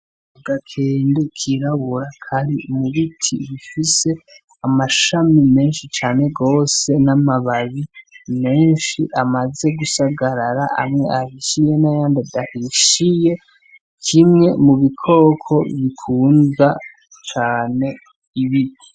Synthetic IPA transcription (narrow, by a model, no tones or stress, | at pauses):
ɡakʰeːndekʰiɾaβuɾakʰaɾimuβitʰḭβifise̞ | amaʃamime̞ːnʃit͡ʃaːne̞ɡo̞ːse̞namaβaβime̞ːnʃiʔamaze̞ɡusaɡaɾaɾaʔa̰mŋe̞ahiʃije̞najaːndedahiʃije̞ | kʰimŋe̞muβikʰo̞ːkʰo̞βikʰuːnza | t͡ʃaːne̞ | iβiti̥